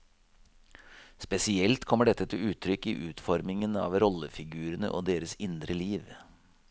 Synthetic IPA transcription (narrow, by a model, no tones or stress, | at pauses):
spɛsɪɛlt̪kʰɔmːəɖɛt̪ːət̪ʰɪʉːt̪ʰɾʏkːɪʔʉːt̪fɔɾmɪŋənɑ̰ːʋɾɔləfɪɡʉːɾənə̰ʔo̰ːd̪eːɾəsɪnd̪ɾəliːʋ